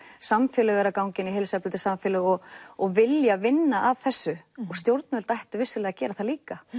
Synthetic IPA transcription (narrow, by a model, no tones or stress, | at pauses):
samfɪːlɛɣaɾakawɲcɪniɦejlsɛplɪt̪ɪ̥samfɛːlʏɣɔɣɔɣvɪljavɪnːaʔavθɛsːʏɔɣst̪jowɾt̪nʏvɛlt̪ajht̪ʏvɪsːʏlɛːɣacɛːɾaθaliːka